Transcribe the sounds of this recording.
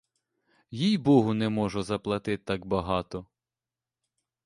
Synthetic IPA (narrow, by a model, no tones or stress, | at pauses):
jijbɔɦʊnɛmɔʒɔzɐplˠɐt̪ɪt̪t̪ːɑkbɐɦɑt̪ɔ